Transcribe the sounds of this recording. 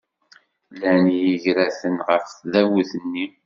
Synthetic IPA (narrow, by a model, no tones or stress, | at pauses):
lænjiʝɾæθənʁəfðæwəθənːi